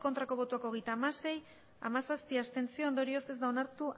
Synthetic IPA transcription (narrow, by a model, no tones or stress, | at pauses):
ko̞nt̪ɾako̞β̞o̞t̪uako̞ɣ̞e̞jt̪aːmase̞j | a̰masaspiast̪e̞nt͡sio̞ond̪o̞ɾiose̞zd̪ao̞naɾt̪u